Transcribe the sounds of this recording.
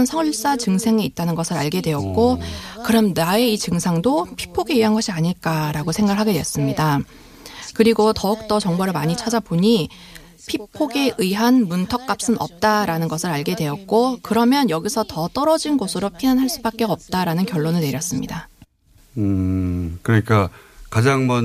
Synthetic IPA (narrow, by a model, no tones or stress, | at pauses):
nsʰʌuɭs͈at͡ɕɯŋsʰe̞ŋiit̚t͈anɯnɡʌsʰɯɾaɭɡe̞dwe̞ʌt̚k͈okɯɾʌmnae̞it͡ɕɯŋsʰaŋdopʰi̥pʰoɡe̞ɯɦanɡʌɕʰiaɲiɭk͈aɾaɡosʰe̞ŋɡaɡɭɦaɡe̞dwe̞s͈ɯmɲida | kɯɾiɡotʌuk̚t͈ʌt͡ɕʌŋbaɾɯɭmaɲit͡ɕʰad͡ʑaboɲi | pʰipʰːoɡe̞ʔɯiɦanmuntʰʌk̚k͈ap̚s͈ɯnʔʌp̚t͈aɾanɯnɡʌsʰɯɾaɭɡe̞dwe̞ʌt̚k͈okɯɾʌmjʌnjʌɡisʰʌtʌt͈ʌɾʌd͡ʑinɡosʰɯɾopʰinanɦaɭs͈ubak͈̚e̞ʌp̚t͈aɾanɯnkjʌɭːonɯɭne̞ɾjʌs͈ɯmɲida | ɯkɯɾʌɲik͈akad͡ʑaŋmʌn